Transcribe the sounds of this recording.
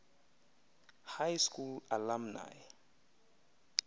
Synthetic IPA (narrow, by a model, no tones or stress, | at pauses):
hajskulalamna̰j